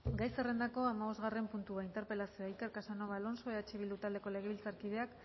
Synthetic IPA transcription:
ɡajse̞re̞nd̪ako̞amaβo̞zɣare̞mpunt̪uaint̪e̞ɾpe̞lasioaikeɾkasano̞βalo̞nso̞eet͡ʃeβild̪ut̪ald̪e̞ko̞le̞ɣ̞e̞βilt͡saɾkiðe̞ak

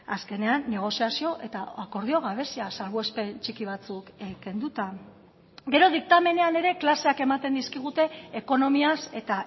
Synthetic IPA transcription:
aske̞ne̞anːe̞ɣ̞o̞siasio̞ʔe̞t̪aako̞ɾð̞io̞ɣ̞aβ̞e̞siasalβoespe̞nt͡ʃikiβ̞at͡sukeke̞nd̪ut̪a | ɡe̞ɾo̞ð̞ik̚t̪ame̞ne̞ane̞ɾe̞klase̞ake̞mat̪e̞nd̪iskiɣ̞ut̪e̞ːko̞no̞miase̞t̪a

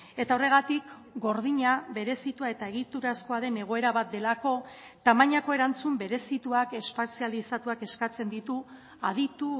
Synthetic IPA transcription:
e̞t̪ao̞re̞ɣ̞at̪ikɡo̞ɾð̞iɲaβe̞ɾe̞sit̪uae̞t̪ae̞ɣ̞it̪uɾasko̞aðe̞ne̞ɣ̞o̞e̞ɾaβat̪̚d̪e̞lako̞ | t̪amaɲako̞e̞ɾant͡sumbe̞ɾe̞sit̪uake̞spasialisat̪uake̞skat͡se̞nd̪it̪u | aðit̪u

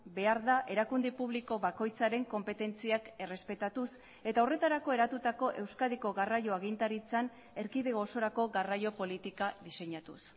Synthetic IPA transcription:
be̞aɾðaʔe̞ɾakund̪epuβliko̞βako̞jt͡saɾe̞ŋko̞mpe̞t̪e̞nt͡siake̞re̞spe̞t̪at̪us | e̞t̪aore̞t̪aɾako̞e̞ɾat̪ut̪ako̞ʔe̞wskaðiko̞ɣarajo̞aɣint̪aɾit͡san | e̞ɾkiðe̞ɣo̞so̞ɾako̞ɣarajo̞po̞lit̪ikaðise̞ɲat̪ṵs

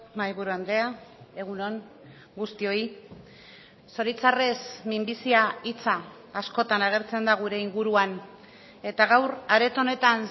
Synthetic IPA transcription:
majβuɾuand̪e̞ae̞ɣ̞uno̞n | ɡust̪io̞i | so̞ɾit͡sare̞smimbisiait͡saː | sko̞t̪anaɣ̞e̞ɾt͡se̞nd̪aɣ̞uɾe̞iŋɡuɾuan | e̞t̪aɣawɾaɾe̞t̪o̞ne̞t̪an

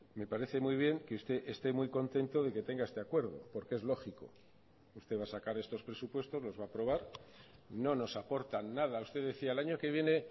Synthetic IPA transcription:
me̞paɾe̞θe̞mujβ̞je̞ŋkeust̪e̞ʔest̪e̞mujko̞nt̪e̞nt̪o̞ð̞e̞ke̞t̪e̞ŋɡaest̪eakwe̞ɾð̞o̞̰po̞ɾkeezlo̞xiko̞̰ | ust̪e̞βasakaɾe̞st̪o̞spɾe̞supwe̞st̪o̞zlo̞zβaːpɾo̞β̞aɾ | no̞no̞sapo̞ɾt̪anːað̞aust̪eðe̞θiaelaɲo̞ke̞β̞je̞ne̞

